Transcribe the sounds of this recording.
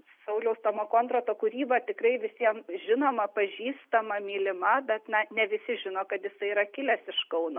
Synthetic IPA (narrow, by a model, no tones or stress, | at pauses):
sɐʊlʲɛʊst̪omoːkoːnt̪rot̪oːkuɾʲiːbɐt̪ʲɪkrɐɪʋʲɪsʲiɛmʒʲɪnoːmɐpɐʒʲiːst̪ɐmɐmʲiːlʲɪmɐbʲɛt̪nɐnʲɛʋʲɪsʲɪʒʲɪnoːkɐt̪jɪsɐɪiɾɐkʲɪlʲɛsɪʃkɐʊnoː